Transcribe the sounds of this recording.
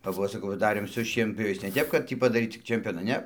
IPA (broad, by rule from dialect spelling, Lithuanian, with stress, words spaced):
kɐp ˈʋɐ sɐˈkɐʊ ʋɐ ˈdɑːrʲeːm sʊ ʃʲiɛnʲpʲjoːˈʋʲɛɪs nʲɛ ˈtʲɛp kɐt ˈtʲiː pɐdɐˈrʲiːt tʲɪk t͡ʃʲɛmʲˈpʲoːnɐ ˈnʲɛ